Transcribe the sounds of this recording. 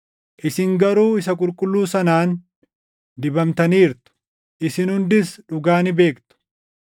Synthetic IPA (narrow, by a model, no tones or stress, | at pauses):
ʔɪsɪŋɡɐɾuːɪsɐkʼʊlkʼʊlːuːsɐnaːn | d̪ɪbɐmt̪ɐniːɾt̪ʊ̥ | ʔɪsɪnhʊnd̪ɪsᶑʊɡaːnɪbe̞ːkt̪ʊ̥